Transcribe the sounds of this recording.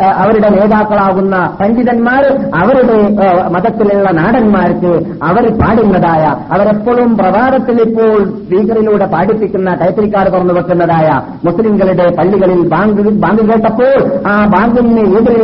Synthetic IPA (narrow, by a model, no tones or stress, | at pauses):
ɐʋɐɾuɽe̞ne̞ːðaːkːɐɭaːɣunːɐsɐɲd͡ʒiðɐnmaːɾɐʋɐɾuɽe̞mɐðɐt̪ːiluɭːɐnaːɽɐnmaːɾkɨ | ɐʋɐɾpaːɽinːɐðaːjɐɐʋɐɾepːoːɭumprɐbaːðɐt̪ːilipːo̞ːɭsspiːkɐriluːɽe̞paːɽipːikʲːunːɐʈɐjt̪ːɐɾikʲːaːɾpurɐnːupɐkːunːɐðaːjɐ | muslimɡɐɭiɽe̞pɐɭːiɣɐɭilbaːŋɡbaːŋɡɣeːʈːɐpːo̞ːɭaːbaːŋɡinneeːðɐli